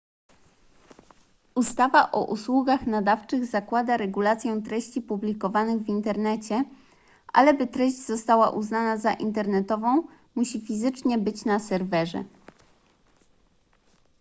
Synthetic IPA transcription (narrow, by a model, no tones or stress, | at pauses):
ust̪avaʔɔ̰ʔuswuɡaxnad̪aft͡ʂɘɣzakwad̪aɾɛɡulat̪sʲjɛ̃t̪ɾɛɕt͡ɕipublʲikɔvanɘɣvint̪ɛɾnɛt͡ɕɛ | ʔa̰lɛbɘt̪ɾɛɕd͡ʑzɔst̪awa̰ʔuznanazaʔint̪ɛɾnɛt̪ɔvɔ̃w̃ | muɕifʲizɘt͡ʂɲɛbɘt͡ɕnasɛɾvɛʐɛ̰